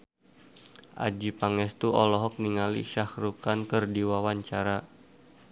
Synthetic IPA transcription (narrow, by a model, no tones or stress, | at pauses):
ʔa̰d͡ʒipaŋɛst̪uɔlɔɦɔk̚niŋalḭʃahɾukankərdiwawaɲt͡ʃaɾa